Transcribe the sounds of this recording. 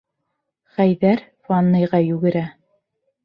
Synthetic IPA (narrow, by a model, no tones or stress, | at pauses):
χæjðæɾfɑnːɤ̆jʁɑjʉɡɘ̆ɾæ